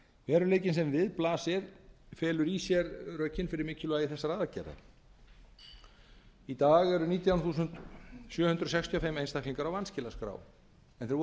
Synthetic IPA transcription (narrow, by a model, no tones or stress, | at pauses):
vɛːɾʏleːjcɪnsɛmvɪðplaːsɪɾ̥fɛːlʏɾisjɛɾrœɥcːɪnfɪɾɪɾmɪːcʰɪlʏajiθɛsːaɾaːðacɛ̰ɾða̰ | it̪aːɣɛɾʏniːt̪jawnθuːsʏnt̪sjœːhʏnt̪ɾʏɔsɛkst̪ʰijɔfɛmːejnst̪akliŋkaɾawvanscɪlaskɾa̰ːw | ɛnθɛɾ